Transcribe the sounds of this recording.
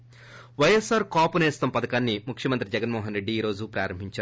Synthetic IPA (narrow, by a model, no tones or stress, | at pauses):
ʋɐjesaːɾkaːpuneːst̪ɐmpɐd̪ɐkaːnːimukʰjɐmɐnt̪ɾid͡ʒɛɡɐnmɔːɦɐnɾeɖːiːɾo̞ːd͡ʒupɾaːɾɐmbʱiɲt͡ʃaː